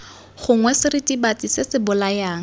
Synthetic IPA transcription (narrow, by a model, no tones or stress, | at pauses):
χʊŋwɛsɪritibatisɪsɪbʊlajaːŋ̩